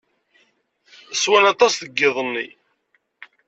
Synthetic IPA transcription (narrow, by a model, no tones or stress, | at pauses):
swænɑt̪ˤɑsθəɡːɪðˤənːḭ